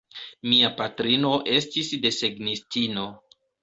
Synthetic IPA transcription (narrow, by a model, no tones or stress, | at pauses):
miapatɾino̞ʔe̞stisde̞seɡnistino̞